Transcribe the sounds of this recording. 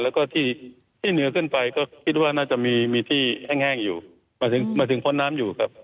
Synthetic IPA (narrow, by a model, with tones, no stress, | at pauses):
lɛː˦˥wkɔː˥˩t̪ʰiː˥˩ | t̪ʰiː˥˩nɯ˩˦ɐkʰɯ˥˩npa˧jkɔː˥˩kʰi˦˥t̪̚waː˥˩naː˥˩t͡ɕa˨˩ʔmiː˧miː˧t̪ʰiː˥˩hɛː˥˩ŋhɛː˥˩ŋjuː˨˩ | maː˧˩t̪ʰɯ˩˦ŋmaː˧˥t̪ʰɯ˩˦ŋpʰo˦˥nːaː˦˥mjuː˨˩kʰa˦˥p̚